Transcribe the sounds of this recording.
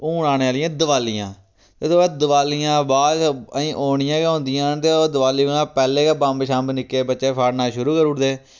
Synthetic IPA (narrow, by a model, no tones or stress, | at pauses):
oːnaːñeːaːlɪjãːd̪əʋaːlɪjã̰ː | t̪eːt̪oːbaːd̪əʋaːlijãːbaːdəĩːʔoːɳɪjãːkeɦʊ̃nd̪ɪjãːt̪eːod̪əʋaːliːʋəŋãːpɛːleːkaːbãːmbʃãːmbnɪkːeːbətːʃeːpʰaːɽnaːʃʊɾuːkəɾʊʈd̪eː